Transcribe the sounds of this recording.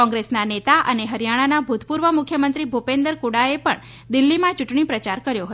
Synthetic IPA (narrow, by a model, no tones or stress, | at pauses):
ɔ̃ŋɡɾesnanet̪aʔəneɦəɾjaɽ̃anabʱut̪ʰpuɾʋəmʊkʰjəmənt̪ɾibʱupend̪əɾkuɽaepəɳ | d̪ilːimãt͡ʃuʈɳ̃ipɾət͡ʃaɾkəɾjoɦət̪